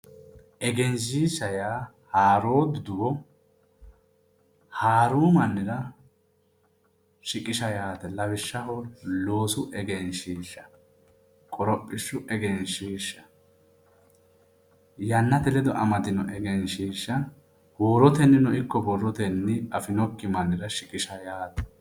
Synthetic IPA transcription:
ʔɛɡɛnʃ̬iːʃːɐjaː | haːɾo̞ːd̪ʊd̪ʊwɔ | haːɾuːmɐnːɪɾɐ | ʃɪkʼɪʃɐjaːt̪ɛlɐβɪʃːɐhɔlo̞ːsʊʔɛɡɛnʃiːʃːɐ | kʼɔɾɔpʼːɪʃːʊʔɛɡɛnʃiːʃːɐ | jɐnːɐt̪ɛlɛd̪ɔʔɐmɐt̪ɪnɔʔɛɡɛnʃiːʃːɐ | woːɾɔt̪ɛnːɪnɔʔɪkːɔbɔrːɔt̪ɛnːɪɐfɪnɔkːɪmɐnːɪɾɐʃɪkʼɪʃɐjaːt̪ɛ̥

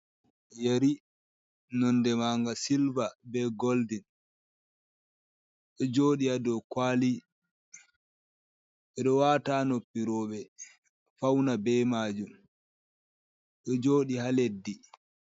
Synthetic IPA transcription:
jeɾi | nɔndɛmaːŋɡasilvabɛɡoldin | ɗɔd͡ʒoːɗiadɔkwaːli | ɓɛɗɔwaːtanopːiɾɔːɓɛ | fawnabɛːmaːd͡ʒum | ɗɔd͡ʒoːɗihaledːi

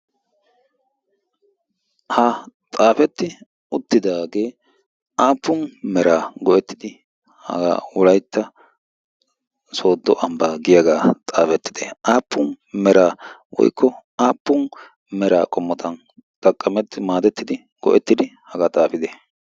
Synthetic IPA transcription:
hɐt̪ʼaːfɛt̪ːɪ | ʊt̪ːɪd̪aːɡe̞ː | ʔaːpːʊnmɛɾaːɡɔʔɛt̪ːɪd̪ɪ | hɐ̰ɡa̰ːwʊlɐjt̪ːɐ | so̞ːd̪ːɔʔɐmbaːɡɪjɐɡaːt̪ʼaːfɛt̪ːɪ̥d̪eʔaːpːʊn | mɛɾaːwɔ̰jkʰːɔaːpːʊn | mɛɾaːkʼɔmːɔt̪ʰɐn | t̪ɐkʼːɐmɛt̪ːɪmaːd̪ɛt̪ːɪd̪ɪ | ɡ̥ɔ̰ʔɛt̪ːɪd̪ɪhɐɡaːt̪ʼaːfɪd̪e

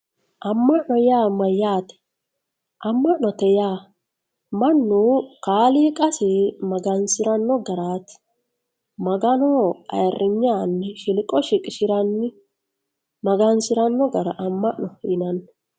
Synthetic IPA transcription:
ʔɐmːɐʔnɔjaːmɐjaːt̪ɛ̥ | ʔɐmːɐʔnɔt̪ɛjaː | mɐnːukaːliːkʼɐsɪmɐɡɐnsɪɾɐnːɔɡɐɾaːt̪ | mɐɡɐnɔɐ̰jrːɪɲːaːnːɪʃɪlkʼɔʃɪkʼɪʃɪɾɐnːɪ | mɐɡɐnsɪɾɐnːɔɡɐɾɐʔɐmːɐʔnɔɪnɐnːɔ

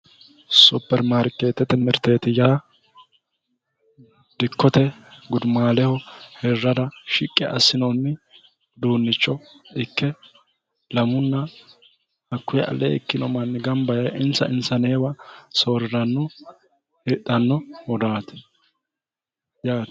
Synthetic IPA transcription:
supːɛɾmaɾkːeːt̪ːɛt̪ːɛmɛɾt̪eːt̪ɪjaː | d̪̥ɪkʰːɔt̪ɛɡʊd̪maːlɛhɔhɛrːɐd̪ɐʃɪkʼːɛʔɐ̰sːɪnɔnːɪ | d̪uːnːɪt͡ʃːɔ | ɪkːɛ | lɐmʊnːɐ | hɐkːʊjɛʔɐ̰lḛːkːɪnɔmɐnːɪɡɐmbɐjɐjʔɪnsɐɪnsɐneːwɐso̞ːɾɪɾɐnːɔ | ɛt̪ʼːɐnːɔwɔd̪aːt̪ɛ̥ | jaːt̪

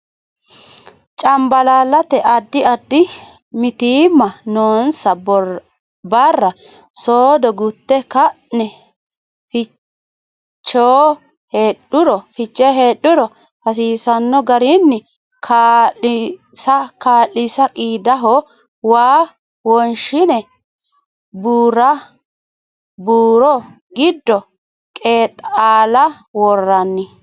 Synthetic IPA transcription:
t͡ʃʼɐmbɐlaːlːɐt̪ɛʔɐd̪ːɪɐd̪ːɪ | mɪt̪iːmːɐnoːnsɐ | bɐrːɐ | soːd̪ɔɡʊt̪ːɛkɐʔnɛ | fɪ | t͡ʃːoː | heːɗʊɾɔfɪt͡ʃːɛɦeːɗʊɾɔ | hɐs̬iːsɐnːɔɡɐɾɪnːɪ | kʰaːlɪ | sɐkaːlɪsɐkʼiːd̪ɐɦɔ | waː | wɔnʃɪnɛ | buːɾɐ | buːɾɔ | ɡɪd̪ːɔ | kʼeːt̪ʼaːlɐ | wɔrːɐnːɪ

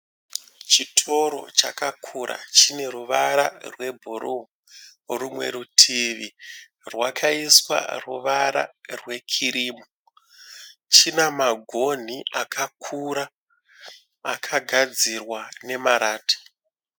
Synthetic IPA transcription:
t͡ʃitʰo̞ɾo̞̰t͡ʃa̰kakʰuɾa̰t͡ʃine̞ruʋaɾa̰rwe̞bʱuɾu | rumwe̞̰ɾutʰiʋi | rwakʰaiswa̰rṵʋaɾa̰rwe̞kʰiɾiːmo | t͡ʃinamaɡʱo̞n̤iʔakʰakʰuɾa | kʰaɡʱad͡zirwane̞maɾaːtḁ

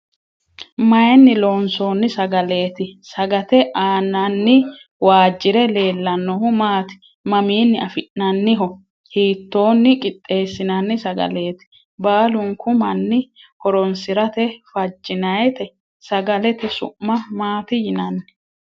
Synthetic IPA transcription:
mɐjnːɪloːnso̞ːnːɪsɐɡɐle̞ːt̪ɪsɐɡɐt̪ɛʔaːnːɐnːɪ | waːd͡ʒːɪɾɛle̞ːlːɐnːɔhʊmaːt̪ɪ̥ | mɐmiːnːɪɐfɪʔnɐnːɪɦɔ | hiːt̪ːo̞ːnːɪkʼɪt̪ʼːe̞ːsːɪnɐnːɪsɐɡɐ̰le̞ːt̪ɪ̥ | baːlʊŋkʊmɐnːɪkɔɾɔnsɪɾɐt̪ɛfɐd͡ʒːɪnɐjɛt̪ɛ | sɐɡɐlɛt̪ɛsʊ̰ʔmːɐmaːt̪ɪjɪnɐnː

